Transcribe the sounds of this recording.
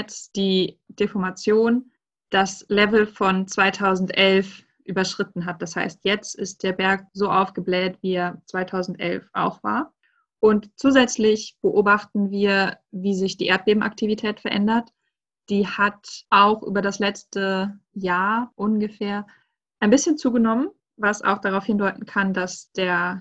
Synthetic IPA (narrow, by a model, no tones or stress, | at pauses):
ɛt͡sd̥iːd̥efɔɐmat͡sjoːn | d̥aslɛvl̩fɔnt͡sv̥aɪtʰaʊzn̩tʔɛlf | ʔyːbɐʃʁ̥ɪtn̩ɦat̚d̥asha̰ɪst̚ʰjɛt͡stɪst̚d̥eːɐbɛɐk̚zoːʔaʊfɡ̥əblɛːtv̥iːɛɐt͡sv̥aɪtʰaʊzn̩tʔɛ̰lfʔa̰ʊxv̥a̰ːɐ | ʔʊntt͡suːzɛt͡slɪçb̥əʔoːbaχtn̩viːɐ | viːzɪçd̥iːʔeːɐt̚b̥eːbm̩ʔa̰ktʰivitʰɛːtfɛɐʔɛ̰ndɐt | d̥iːhatʔaʊxʔy̰ːbɐdaslɛt͡stəjaːɐʔʊnɡəfeːɐ | ʔaɪnbɪsçənt͡suːɡənɔmən | vasa̰ʊxd̥aʁaʊfhɪndɔʏtn̩kʰandasd̥eːɐ